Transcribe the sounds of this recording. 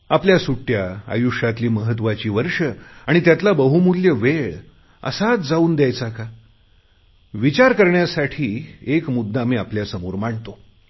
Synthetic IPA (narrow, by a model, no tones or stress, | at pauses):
apljasuʈjaa̰juʂat̪liːməɦət̪ʋat͡ɕiːʋəɾʂəaɽ̃it̪jat̪labəɦumuljəʋeɭ | ə̰sat͡sd͡zauːnd̪jajt͡saka | ʋit͡ɕaɾkəɾɳjasaʈʰiːekmud̪ʱːamiːapljasəmoɾmaɳt̪o